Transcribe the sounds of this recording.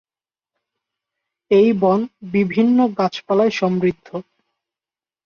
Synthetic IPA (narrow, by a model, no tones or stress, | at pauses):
ejbɔnbibʱinːoɡat͡ɕpalaeʃɔmɾid̪ʱːo